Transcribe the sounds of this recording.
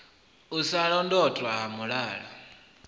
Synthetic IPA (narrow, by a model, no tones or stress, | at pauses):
usaɺɔndɔtʼwaɦamuɺaːɺa̰